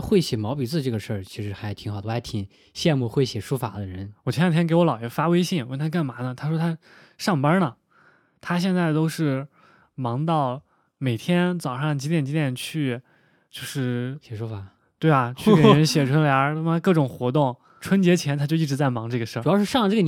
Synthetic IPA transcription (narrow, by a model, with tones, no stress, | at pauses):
xwe˥˩ɪɕjɛ˨˩mɑ˧˥ʊpi˨˩˥t͡sɹ̩˥˩ʈ͡ʂɤ˥˩ɡə˩ʂə˞˥˩t͡ɕʰi˧˥ʂɻ̩˧˥xa˧˥ɪt̪ʰi˧˥ŋxa˧˥t̪ʰi˨˩ŋ | ɕjɛ˥˧nmu˥˧xwe˥˩ɪɕjɛ˨˩ʂu˥fa˨˩d̪ə˦ɻə˧˥nwɔ˨˩t͡ɕʰɛ˥˩t̪ʰjɛ˥ke˧˥ɪwɔ˧˥lɑ˨˩ʊjɛ˧˥nfa˥we˥ɪɕi˥˩ŋwə˥˩nt̪ʰa˥ka˥˩nma˧˥nə˧t̪ʰa˥ʂwɔ˥t̪ʰa˥ | ʂɑ˥˩ŋpə˥nə˨ | t̪ʰa˥ɕ̬jɛ˥˧nt͡sa˥˩ɪt̪o˥ʊʂɻ̩˥˩ | mɑ˧˥ŋt̪ɑ˥˩ʊ | me˨˩ɪt̪ʰjɛ˥nt͡sɑ˨˩ʊʂɑ˥˩ŋt͡ɕi˧˥ljɛ˥˩nt͡ɕi˧˥ljɛ˥˨˩nt͡ɕʰy˥˧ | t͡ɕjo˥˧ʊʂɻ̩˥˩ɕjɛ˨˩ʂu˥fa˨˩ | t̪we˥˩ɪɐ˩t͡ɕʰy˥˩˥ke˩ɻə˥nɕjɛ˨˩ʈ͡ʂʰwə˧˥nljɑ˧˥kɤ˥˩ʈ͡ʂʊ˨˩ŋxwɔ˧˥t̪ʊ˥˩ŋ | ʈ͡ʂʰwə˥nt͡ɕjɛ˧˥t͡ɕʰjɛ˧˥nt̪ʰa˥t͡ɕjo˥˧ʊi˥˩ʈ͡ʂɻ̩˧˥t͡sa˥˩ɪmɑ˧˥ŋʈ͡ʂɤ˥˩ɡə˩ʂə˥˩˨jɑ˥˧ʊʂɻ̩˥ʂɑ˥˩˧lə˧ʈ͡ʂɤ˥˩ɡə˧n